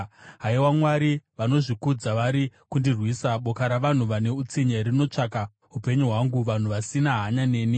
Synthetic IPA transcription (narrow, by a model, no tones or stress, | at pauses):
ɦaiwamwaɾiʋano̞ʐikud͡zaʋaɾikundirwisaɓo̞kaɾaʋan̤uʋane̞ut͡siɲeɾino̞t͡ʂaka | ɦupe̞ɲuɦwaŋɡuʋan̤uʋasinaɦaɲane̞ːni